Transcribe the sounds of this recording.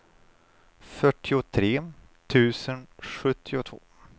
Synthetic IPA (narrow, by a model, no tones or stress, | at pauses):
fœʈːɪʊt̪ʰɾeː | t̪ʰʉ̟ːsənɧɵt̪ʰːɪʊt̪ʰv̥o̰ː